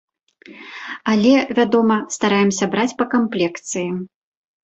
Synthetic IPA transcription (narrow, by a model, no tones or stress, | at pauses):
ɐlʲɛvʲad̪ɔmɐst̪aɾajɛmsʲɐbɾat͡sʲpɐkamplʲɛkt̪sɨji